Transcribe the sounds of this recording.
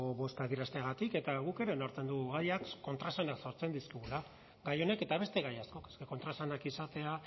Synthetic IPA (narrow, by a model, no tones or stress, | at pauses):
oβo̞st̪aðiɾast̪eaɣat̪ike̞t̪aɣuke̞ɾe̞noɾt͡s̪e̞nd̪uɣɣajakko̞nt̪ɾasanakso̞ɾt͡se̞nd̪iskiɣula | ɡajo̞ne̞ke̞t̪aβe̞st̪e̞ɣajasko̞keskeko̞nt̪ɾasanakisat̪e̞a